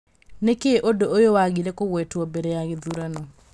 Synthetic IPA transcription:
nekeʔodoojowaɣiɾɛkoɣwɛtwɔbeɾɛjaɣeðuɾanɔ

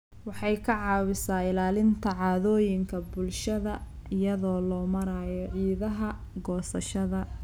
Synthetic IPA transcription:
wɑħɑjkʰɐʕɑːwɪsaːɪlaːlɪnt̪ʰɐʕɑːðɔːjɪŋkʰɐbʊlʃɐðɐɪjɐðɔːlɔːmɐɾaːjɔʕiːðɐɦɐ | ɡɔːsɐʃɐðɐ

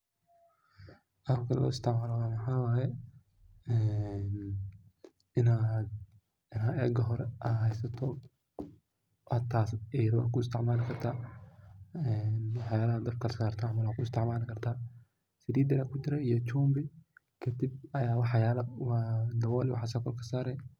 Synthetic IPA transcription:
ʔɐɐkʰɐl̰lɔ̰ːɪst̪ʰɛʕmaːlɔwaːmɐħaːwaːjɛ | ɛːn | ɪnaːd̪ | ɪnɐʔɛːɡɐɦɔɾɛʔɐɦɛjsɐt̪ʰɔ | hɐt̪ʰːaːsɛjɾɐwa̰ːkʊɪst̪ʰɪʕmaːlɪkʰɐrt̪ʰaː | ɛnwħajaːlɐɦad̪ɐb̚kʰɐlɐsaːrt̪ʰamɐlaːkʰʊɪst̪ɛʕmaːlɪkɐrt̪ʰaː | sɪd̪iːd̪ɪɾakʊt͡ʃɪɾɛijɔt͡ʃuːmbɪ | kʰɐd̪ibɐjaːwɑħjaːlɐwɑːd̪ɐwɔːlɪwɑ̰ħasɐkɔlkʰɐsaːɾɛj

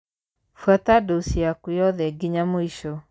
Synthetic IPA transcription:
fwatadosiakujɔðɛɡiɲamoiʃo

